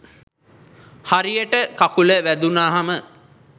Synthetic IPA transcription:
haɾijəʈəkakuləʋæd̪unaːɦamə

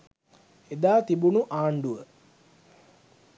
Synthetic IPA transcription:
ed̪aːt̪ibunuʔaːɳɖuʋə

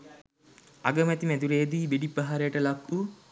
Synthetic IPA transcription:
aɡəmɛt̪imæd̪uɾeːd̪iːʋeɖipːaɦaɾejəʈəlakːu

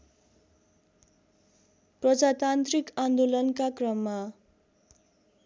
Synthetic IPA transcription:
prʌd͡zat̪ant̪rikand̪olʌnkakrʌmːa

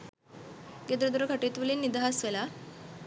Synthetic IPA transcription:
ɡed̪ɾəd̪uɾəkʰaʈet̪ʋulenːid̪aɦasʋela

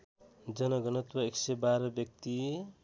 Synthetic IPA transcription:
d͡zʌnʌɡʌnʌt̪wʌeksebaɾʌbjʌk̚t̪i

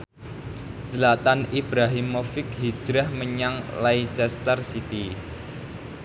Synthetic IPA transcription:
səlat̪anibɾaɦimːofɪkɦi̥d͡ʒ̥ɾɛhməɲaŋlait͡ʃɛst̪ərsit̪i

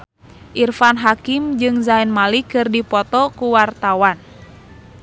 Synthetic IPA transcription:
ʔirfanɦakimd͡ʒɨŋzainmalikɨrdipɔt̪ɔkuwart̪awan

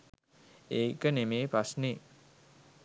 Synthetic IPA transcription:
eːkənemeːpɾasne

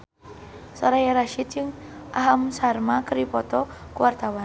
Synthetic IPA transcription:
saɾajaɾaʃit̪̚d͡ʒɨŋʔaɦamsarmakəɾipɔt̪ɔkuwart̪awan

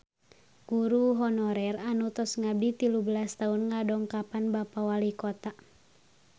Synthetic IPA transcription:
ɡ̥uɾuɦɔnɔɾɛranut̪ɔsŋab̚dit̪ilubəlast̪aunŋadɔŋkapanbapawalikɔt̪a

